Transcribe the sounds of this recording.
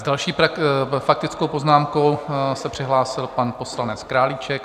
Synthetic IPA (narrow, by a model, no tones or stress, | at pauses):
zdalʃiːafak̚t̪ɪt͡skowpo̞znaːmko̞wsɛpr̥ɪɦlaːsɪlpanpo̞slanɛt͡skɾaːlɪt͡ʃɛk̚